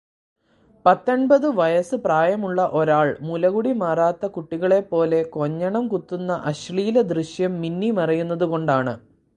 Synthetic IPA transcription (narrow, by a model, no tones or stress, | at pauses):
pɐt̪ːɐɳbɐðɨʋɐjɐsɨpraːjɐmuɭːɐʔo̞ɾaːɭmulɐɣuɽimaːraːt̪ːɐkuʈːiɣɐɭe̞pːo̞ːle̞ko̞ɲːɐɳɐmkut̪ːunːɐʔɐɕɭiːlɐd̪riɕjɐmːinːimɐrɐjunːɐðuko̞ɳɖaːɳɨ